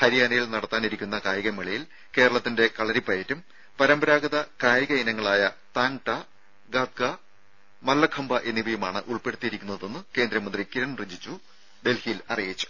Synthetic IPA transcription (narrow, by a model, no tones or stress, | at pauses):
hɐɾijaːnɐjilnɐɽɐt̪ːaːniɾikʲːunːɐkaːjɐɣɐmiɭɐjil | ke̞ːɾɐɭɐt̪ːinde̞kɐɭɐɾipɐjɐtːum | pɐɾɐmbɐɾaːɡɐðɐkaːjɐɣɐinɐŋːɐɭaːjɐt̪aːnʈɐ | ɡaːt̪̚ɡɐ | mɐlːɐkʰɐmbɐʔe̞nːiʋɐjumaːɳɨ̰ʔuɭpe̞ɽut̪ːijiɾikʲːunːɐðe̞nːɨke̞ːnd̪ɾɐmɐnd̪rikiɾɐɳrid͡ʑit͡ɕːu | d̪e̞lhijlɐrijit͡ɕːu̥